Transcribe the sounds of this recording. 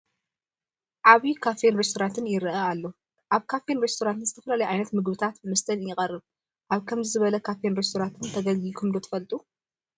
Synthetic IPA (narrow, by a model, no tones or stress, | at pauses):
ʔaβikʰafenɾest̪oɾant̪ʰɨnjɪɾɨʔaalːo | ʔaβkʰafenɾest̪ʰoɾant̪nzɨt̪ʰɐfɐlalɐjʕajnɐt̪mɨɡβɨt̪ʰat̪mɐst̪ʰɐnjɪqʼɐrɨβ | ʔaβkʰɐmzɨzɨβɐlɐkʰafenɾest̪ʰoɾant̪ʰɨnt̪ʰɐɡɐɡikʰɨmd̪ot̪ʰɐ̥fɐlt̪ʼu